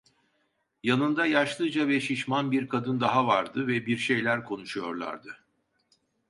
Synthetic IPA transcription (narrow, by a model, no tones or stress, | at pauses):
janɯnd̪ajaʃlˠɯd͡ʒavɛʃiʃmanbiɾkʰad̪ɯnd̪aɦavaɾd̪ɯvɛbiɾʃe̞jlʲæɾkʰo̞nuʃujo̞ɾlˠa̰ɾd̪ɯ